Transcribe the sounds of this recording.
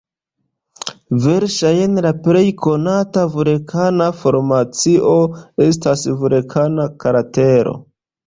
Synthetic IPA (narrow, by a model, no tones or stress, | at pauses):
ve̞ɾʃajenlapɾe̞jkʰo̞natavuɾekʰanafo̞ɾmat͡siʔo̞e̞stasvuɾekʰanakaɾate̞ɾo̰